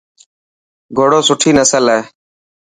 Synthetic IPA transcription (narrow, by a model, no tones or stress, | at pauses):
ɡʱoːɽoːsʊʈʰiːnəsəleː